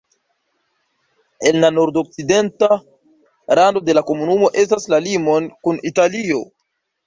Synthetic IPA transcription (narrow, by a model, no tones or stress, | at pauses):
e̞nlano̞ɾdo̞k̚t͡side̞nta | ɾando̞de̞lako̞munumo̞ʔe̞staslalimo̞nkunitalio̞